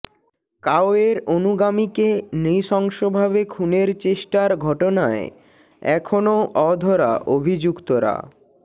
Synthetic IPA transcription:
kaoeɾonuɡamikeniʃɔŋʃobʱaβekʰuneɾt͡ɕeʃʈaɾɡʱɔʈonae | ɛ̰kʰonoʔɔd̪ʱɔɾa̰ʔobʱid͡ʑukt̪oɾa̰

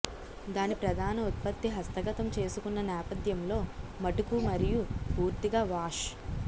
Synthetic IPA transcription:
d̪aːnipɾɐd̪ʱaːnɐut̪̚pɐt̪ːiɦɐst̪ɐɡɐt̪ɐmt͡ʃe̞ːsukunːɐnɛːpɐd̪jɐmlo̞ːmɐʈukumɐɾijupuːɾt̪iɡaːʋaːʂ

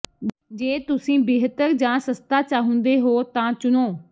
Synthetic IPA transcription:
d͡ʒeːt̪ʊsĩːbɪːɦt̪əɾd͡ʒãːsəst̪aːt͡ʃaːɦʊ̃nd̪eːɦoːt̪ãːt͡ʃʊnoː

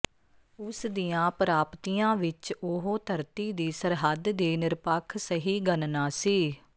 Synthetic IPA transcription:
ʊsd̪ijãːpɾaːpt̪iːjãːʋɪt͡ʃʊɦoːt̪ʰəɾt̪iːd̪iːsəɾɦəd̪d̪iːnɪɾpəkʰsəɦiːɡənnãːsiː

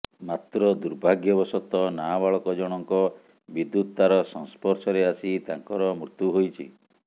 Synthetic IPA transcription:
mat̪ɾɔd̪uɾbʱaɡjɔbɔsɔt̪ɔnabaɭɔkɔd͡ʒɔɽ̃ɔŋkɔ | bid̪ːut̪t̪aɾɔsɔŋspɔɾsɔɾeasit̪aŋkɔɾɔmɾut̪juɦojt͡ʃʰḭ

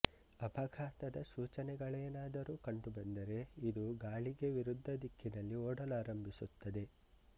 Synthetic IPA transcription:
ɐpɐɡʱaːt̪ɐd̪ɐsuːt͡ʃɐnɛɡɐɭɐɐnaːd̪ɐɾuːkɐɳɖubɐnd̪ɐɾe̞id̪uɡaːɭiɡe̞ʋiɾud̪ʱːɐd̪ikʰːinɐlːioːɽɐlaːɾɐmbʱisut̪ːɐd̪e̞

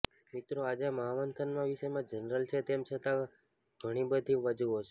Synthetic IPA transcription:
mit̪ɾoad͡ʒaməɦaʋənt̪ʰənmãʋiʃemãd͡ʒənɾəlt͡ʃʰet̪emt͡ʃʰət̪ã | ɡʱəɽ̃ibəd̪ʱiʋəd͡ʒuɦot͡ʃʰe

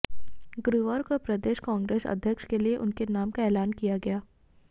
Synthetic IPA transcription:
ɡɾuʋaːɾkopɾɐd̪eːʃkãːŋɡɾeːsɐ̰d̪ʱjəkʃkelieʔʊnkenaːmkaɛːlaːnkijaɡɐjaː

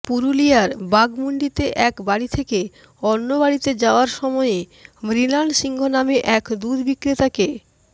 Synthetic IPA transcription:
puɾulijaɾbaɡmuɳɖit̪eʔɛkbaɽit̪ʰeke | ɔnːobaɽit̪ed͡ʑaoaɾʃɔmɔeemɾilanʃiŋɡʱonameʔɛkd̪ud̪bikɾit̪ake

